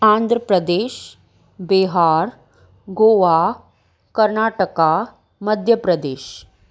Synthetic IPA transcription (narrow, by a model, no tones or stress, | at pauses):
ãːnd̪ʱɾəpɾəd̪eːʃ | beɦaːɾ | ɡoːʋa | kəɾnaːʈəka | məd̪ʱjəpɾəd̪eːʃ